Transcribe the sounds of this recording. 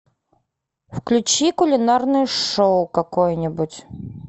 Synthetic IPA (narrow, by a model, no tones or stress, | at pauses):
fklʲʉt͡ɕikʊlʲɪnarnɨjʂowʊkɐkojnʲɪbʊtʲ